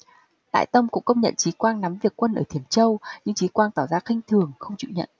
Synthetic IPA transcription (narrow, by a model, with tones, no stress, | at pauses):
la̰ː˧˨jt̪ə˧mkʊ̰˧˥ŋ͡mkə˧wŋ͡mɲə̰˧˨nt͡ɕi˨˦kwaː˧ŋna˨˦mvi˨˩əkːwə˧nʔəː˧˩t̪ʰi˧˩əmt͡ɕə˧wɲɨ˧ŋt͡ɕi˨˦kwaː˧ŋt̪aː˧˩wzaː˧xï˧ŋ̟t̪ʰɨ˨˩əŋxə˧wŋ͡mt͡ɕḭ˧˨wɲə̰˧˨n